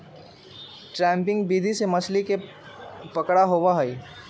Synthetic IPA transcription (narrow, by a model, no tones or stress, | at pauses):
ʈɾɛ̃ːmpɪ̃ŋɡbiːd̪ʱisemɐslike | pəkɽaɦoʋaɦɐi